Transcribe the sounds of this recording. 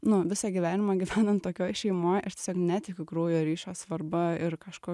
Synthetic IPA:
nʊʋʲɪsɑɡʲiʋʲæːnʲɪmɑːɡʲiʋʲæːnoːmt̪oːkʲoːjʃʲɛɪmoːjʔɪtʲeɛsʲoːknʲæt̪ʲɪkʲʊkɾuːjoːɾʲiːʃoːsʋɐɾbɐɪrkɑʃkoː

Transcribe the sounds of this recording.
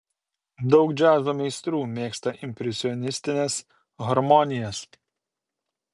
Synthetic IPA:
d̪ɒʊkd͡ʒʲæːzumʲɛɪst̪ɾuːmʲeːkst̪ɐʔɪmʲpʲɾʲɛsʲɪɔnʲɪsʲt̪ʲɪnʲeːs | ɣɐɾmɔnʲɪjɛs

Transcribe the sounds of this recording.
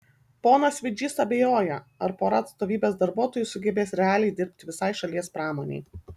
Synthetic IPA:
poːnɐsʲʋʲɪd͡ʒʲiːsɐbʲeːjoːjɛɐɾpoːɾɐɐt̪st̪oːʋʲiːbʲeːsd̪ɐɾbuɔt̪oːjʊsʊɡʲɛbʲeːsɾʲɛɑːlʲɛɪd̪ʲɪɾʲpʲt̪ʲɪʋʲɪsɐɪʃɐlʲiɛspɾɑːmoːnʲɛ̰ɪ

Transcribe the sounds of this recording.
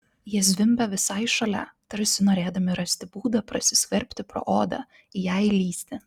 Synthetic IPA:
jiɛsʲʋʲɪmʲbʲɛʋʲɪsɐɪʃɐlʲɛ̰t̪ɐɾʲsʲɪnoːɾʲeːd̪ɐmʲɪɾɐsʲt̪ʲɪbuːd̪ɐpɾɐsʲɪsʲkʲɐɾʲpʲt̪ʲɪpɾo̰ːʔoːd̪ɐ̰ | ɪjæɪɪlʲiːsʲt̪ʲɪ

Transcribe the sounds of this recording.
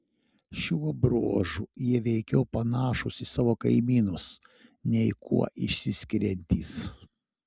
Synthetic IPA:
ʃʲuɔbɾo̰ːʒujiɛʋʲɛɪkʲɛʊpɐnɑːʃʊsisɑːʋoːkɐɪmʲiːnʊs | nʲɛɪkʰṵɔʔɪʃʲsʲɪsʲkʲɪɾʲɛnʲt̪ʲḭːs

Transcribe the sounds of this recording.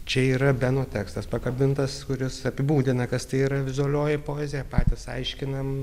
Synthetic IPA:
t͡ʃʲɛiːɾɐbʲænoːt̪ʲæːkst̪ɐspɐkɐbʲɪnt̪ɐskʊɾʲɪsɐpʲɪbuːd̪ʲɪnɐkɐst̪ɐɪiːɾɐʋʲɪzʊɐlʲoːjɛpoːɛzʲeːjɛpɑːt̪ʲɪsɐɪʃʲkʲɪnɐm

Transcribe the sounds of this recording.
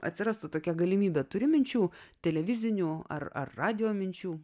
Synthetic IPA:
ɐ̰t̪ʲsʲɪɾɑːst̪ʊt̪oːkʲɛɡɐlʲɪmʲiːbʲɛːt̪ʊɾʲɪmʲɪnʲt͡ʃʲuːt̪ʲɛlʲɛʋʲɪzʲɪnʲuːɐ̰rɐ̰rːɑːd̪ʲɪjoːmʲɪnʲt͡ʃʲuː

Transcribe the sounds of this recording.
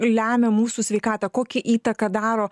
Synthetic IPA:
lʲæːmʲɛmuːsuːsʲʋʲɛɪkɑːt̪ɑkoːkʲɛʔiːt̪ɐkɐd̪ɑːɾoː

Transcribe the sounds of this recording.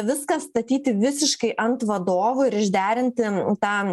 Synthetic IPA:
ʋʲɪskɐst̪ɐt̪ʲiːt̪ʲɪʋʲɪsʲɪʃkɐɪʔɐnt̪ʋɐd̪oːʋʊɪɾɪʒʲd̪ʲæːɾʲɪnʲt̪ʲɪt̪ɑː

